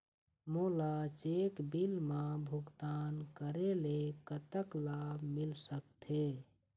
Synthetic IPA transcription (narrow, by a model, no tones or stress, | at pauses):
moːlat͡ʃeːkbilmãbʱʊɡt̪aːnkəɾelekət̪əklabmilsəkt̪ʰe